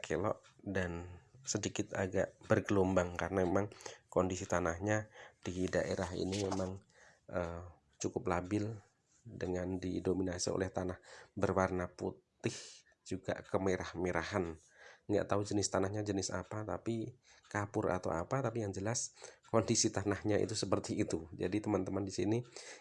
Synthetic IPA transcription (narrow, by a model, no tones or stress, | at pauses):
kʰelɔ̰ʔdansədikɪt̪aɡaʔb̥ərɡəlombaŋkaɾənaemaŋkɔndisit̪anahɲad̥idaʔḛɾaɦḭnimemaŋ | ʔə | t͡ʃukʊplabɪl | dəŋandidominasio̰lɛht̪anahbərwarnaput̪ɪh | d͡ʒuɡa̰kəmeɾahmeɾaɦan | ŋɡa̰ʔt̪aud͡ʒənɪst̪anahɲad͡ʒənɪsa̰pat̪a̰pikapʊra̰t̪a̰wa̰pat̪apijaŋd͡ʒəlaskɔndisit̪anahɲaḭt̪usəpərt̪iːt̪ud͡ʒa̰dit̪əmant̪əmandisini